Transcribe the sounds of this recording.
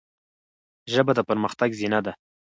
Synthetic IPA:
ʒəbad̪əpəɾməxt̪aɡzinad̪a

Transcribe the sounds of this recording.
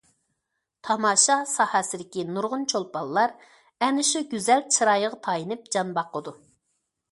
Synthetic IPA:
t̪ʰɑmɑːʃɑsɑhɑsɪd̪ɪkʲinuɾʁʊnt͡ʃʰolˠpɑlˠːɑɾ | ɛnɪʃuɡʲyzɛlt͡ʃʰɨɾɑjəʁɑt̪ʰɑjinɨp̚d͡ʒɑnbɑqːəd̪u

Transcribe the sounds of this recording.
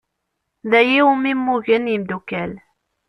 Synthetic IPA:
ðæjiwmimːuʝənjimd̪ukæl

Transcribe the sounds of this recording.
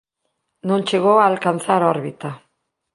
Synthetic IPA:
nont͡ʃeɣoalkanθaɾoɾβit̪a

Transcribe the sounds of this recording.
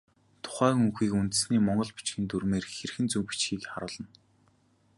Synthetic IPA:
t̪ʰʊ̥χæːŋuŋxiːkunt̪̆sniːmɔɴɢɞ̆ɮpi̥t͡ɕxiːnt̪urmeːrxerxɘ̆nt͡sumpit͡ɕxiːkχa̰ɾʊːɮə̆n

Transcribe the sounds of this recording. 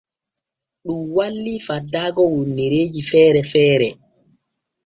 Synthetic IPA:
ɗumwalːifadːaːɡɔwonːiɾeːd͡ʒifɛːɾɛfɛːɾɛ

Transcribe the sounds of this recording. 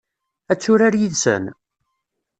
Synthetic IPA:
æt͡sːʊɾaɾjiðsə̰n

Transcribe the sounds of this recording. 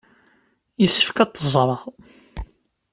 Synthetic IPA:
jəsːə̥fkæt̪ˤːəzˤɾˤəʁˤ

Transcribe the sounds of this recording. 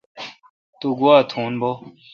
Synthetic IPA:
t̪uɡuaːt̪ʰuːnbo

